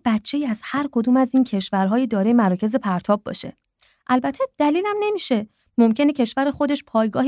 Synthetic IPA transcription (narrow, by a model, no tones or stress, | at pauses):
b̥ætt͡ʃʰːe̞jiːæzhæɾkʰo̞d̪uːmæziːncʰeʃvæɾɦɒːjid̪ɒːɾejemæɾɒːcʰe̞ze̞pʰæɾt̪ʰɒːb̚ːɒ̰ʃe̞̰ | ʔælbæt̪ʰːed̪̥æliːlæmne̞miːʃe̞ | momcʰe̞ne̞cʰe̞ʃvæɾexo̞d̪e̞ʃpʰɒːjɡɒːh